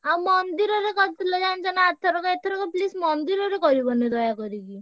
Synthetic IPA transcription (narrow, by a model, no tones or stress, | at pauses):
awmɔnd̪iɾɔɾekɔt̪t̪ʰilɔd͡ʒand͡ʒanaat̪ʰɔɾɔkɔet̪ʰɔɾɔkɔplismɔnd̪iɾɔɾekɔɾibɔned̪ɔjakɔɾiki